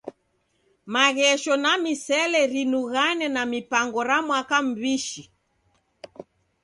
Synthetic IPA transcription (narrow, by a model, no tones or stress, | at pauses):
maɣɛʃɔnamisɛlɛɾinuɣanɛnamipaŋɡɔɾamwakam̩biʃi